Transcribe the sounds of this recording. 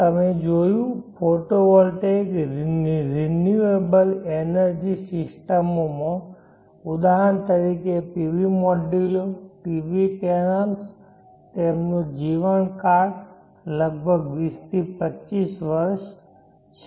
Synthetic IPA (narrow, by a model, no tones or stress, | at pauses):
t̪əmed͡ʒojũpʰoʈoʋɔlʈeɡɾɾenjuebəlenəɾd͡ʒisɪsʈəmomã | ʊd̪aɦənt̪əɾikeʈiʋimoɖiloʈiʋipenəls | t̪emnũd͡ʒiʋənkaɾ | ləɡ̚bʱəɡʋist̪ʰipət͡ʃːisʋəɾʃ | t͡ʃʰe